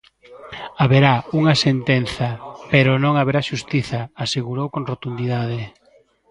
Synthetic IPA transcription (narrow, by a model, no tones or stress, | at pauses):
aβeɾauŋɐsent̪en̟θɐpeɾonõŋaβeɾaʃust̪iθɐaseɣuɾowkoŋrot̪und̪iðaðe